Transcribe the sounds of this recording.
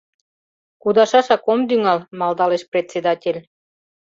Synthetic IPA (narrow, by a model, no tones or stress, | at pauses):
kud̪ɑʃɑʃɑkomd̪yŋɑlmɑld̪ɑleʃprʲet͡sʲːed̪ɑtʲelʲ